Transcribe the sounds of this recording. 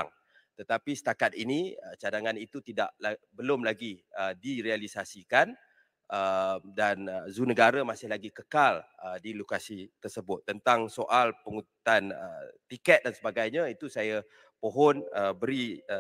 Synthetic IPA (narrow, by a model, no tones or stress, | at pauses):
aŋ | t̪ət̪apisə̥t̪akat̪̚iniət͡ʃadaŋanit̪ut̪ida̰ʔlabəlʊmlaɡiədiɾealisasikan | əmdanəzunəɡaɾamasɪhɦlaɡikəkal | ədilokasit̪ərsəbʊt̪ːənt̪aŋsoʔalpəŋut̪t̪anə̰t̪ikɛt̪̚dansəbaɡajɲãit̪usaja | poɦɔnəbəɾiə